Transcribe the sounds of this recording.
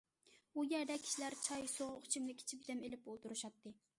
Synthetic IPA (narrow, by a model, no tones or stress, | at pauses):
ujæɾd̪ɛkʲʰi̥ʃilæɾt͡ʃʰɑjsoʁχt͡ʃʰimlɪkʲʰɪ̥t͡ʃʰibɪd̪ɛmelɪp̚bolˠt̪uɾɨʃɑt̪ːɨ